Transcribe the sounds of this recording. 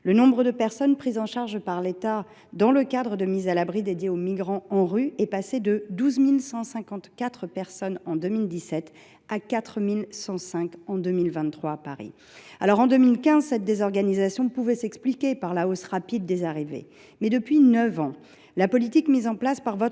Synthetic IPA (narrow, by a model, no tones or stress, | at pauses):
lənɔ̃bʁəd̪əpɛʁsɔnpχizɑ̃ʃaʁʒpaʁlet̪a | d̪ɑ̃ləkad̪ʁəd̪əmizalabʁid̪ed̪jeomiɡʁɑ̃ɑ̃ʁyɛpased̪əd̪uzmilsɑ̃sɛ̃kɑ̃t̪kat̪χəpɛʁsɔnɑ̃d̪ømild̪isɛt̪ | akat̪χəmilsɑ̃sɛ̃kɑ̃d̪ømilvɛ̃nt̪χwaːpaʁḭ | alɔʁɑ̃d̪ømilkʲɛ̃zsɛt̪̚d̪ezɔʁɡanizasjɔ̃puvɛsɛksplikʲepaʁlaosʁapid̪ːezaʁivḛ | mɛd̪əpɥinəvɑ̃ | lapɔlit̪ikmizɑ̃plaspaʁvɔt̪